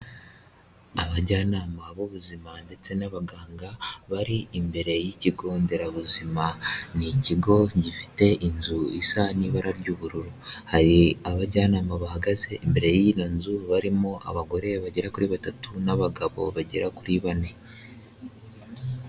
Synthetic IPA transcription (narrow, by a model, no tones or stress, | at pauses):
aβaɟaːnaːmaβoβuzimande̞t͡se̞naβaɡaːŋɡaβaɾiːmbe̞ɾe̞jiciɡo̞ːnde̞ɾaβuzimaniciɡo̞ɟifi̥te̞ʔinzuisaniβaɾaɾɟuːβuɾuɾuhaɾiaβaɟaːnaːmaβahaɡaze̞imbe̞ɾe̞jinonzuβaɾimoʔa̰βaɡo̞ɾe̞βaɟeɾakuɾiβatatunaβaɡaβo̞̰βaɟeɾakuɾiβane̞